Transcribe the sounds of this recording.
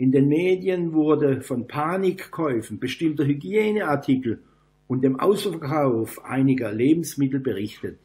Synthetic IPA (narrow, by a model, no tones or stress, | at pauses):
ʔɪndeːnmeːdjənvʊɐdəfɔnpʰaːnɪkːʰɔʏfn̩b̥əʃtɪmtɐɦyɡjeːnəaɐtʰɪkl̩ | ʊntd̥eːmʔa̰ʊsfɐkʰaʊfʔa̰ɪnɪɡɐleːbm̩smɪtl̩bəʁɪçtət